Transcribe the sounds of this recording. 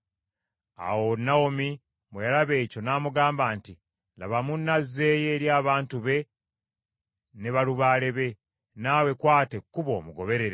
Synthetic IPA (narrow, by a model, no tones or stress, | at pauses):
a̰wonːawomi | mwejalaβe̞ːco̞naːmuɡaːmbaːnti | la̰βamunːazːe̞ːje̞ːɾjaːβaːntuβe̞ | ne̞βaluβaːle̞βe̞ | naːwe̞kwaːtekːuβo̞̰ːmuɡo̞βe̞ɾe̞ɾe